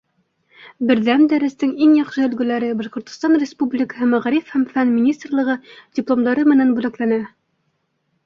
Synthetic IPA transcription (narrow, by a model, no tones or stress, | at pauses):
bɘ̆ɾðænd̪æɾɘ̆st̪ɘŋiŋjɑqʃɤɵ̆lɡɘ̆læɾɘbɑʃqŏɾt̪ŏ̥st̪ɑnrʲɪspublʲɪkə̥ɦɘmæʁæɾifhæmfænmʲɪnʲist̪rlˠɤ̆ʁɤdʲɪplˠomd̪ɑɾɤmɘ̆nænbʉlæklænæ